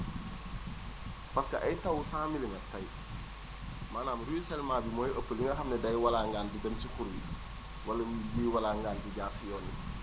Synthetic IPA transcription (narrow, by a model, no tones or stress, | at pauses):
pɐskɐʔɐjtɐwsaːmiliŋɡɐtɐj | maːnaːmɾujisɛlmaːbimɔːjɐpːəliŋɡɐxɐmnɛdɐjwalaːŋɡaːndidɐmtixuɾwḭ | wɐlɐmjiːwɐlaːŋɡaːndiɟaːsijɔːnḭ